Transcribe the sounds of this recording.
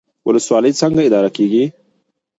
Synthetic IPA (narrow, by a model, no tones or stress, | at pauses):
wʔʊləswɑləjt͡səŋɡaɪd̪ɑɾakeɡi